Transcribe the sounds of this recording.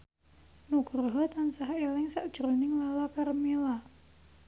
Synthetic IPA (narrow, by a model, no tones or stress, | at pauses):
nuɡ̥ɾɦɔt̪ansaɦaelɪŋsaʔd̥ʒ̥ɾonɪŋlalakarmila